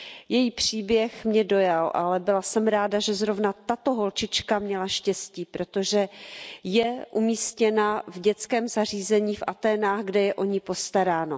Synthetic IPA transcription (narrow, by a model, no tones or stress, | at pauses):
jɛjiːpr̝̥iːbjɛxmɲɛdo̞jalʔalɛbɪlasɛmɾaːdaʒɛzɾo̞vnat̪at̪o̞ɦo̞lt͡ʃɪt͡ʃkamɲɛlaʃcɛsciːpɾo̞t̪o̞ʒɛjɛʔumiːscɛnavɟɛt͡skɛːmzar̝iːzɛɲiːfʔat̪ɛːnaːɣɡdɛjɛʔo̞ɲɪpo̞st̪aɾaːno̞